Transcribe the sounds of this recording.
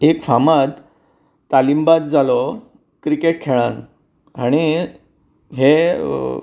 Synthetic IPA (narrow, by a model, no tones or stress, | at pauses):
ekfamad̪ | t̪alimbat̪̚d͡zalɔ | kɾikeʈ̚kʰeɭãn | aɽ̃i | ɦe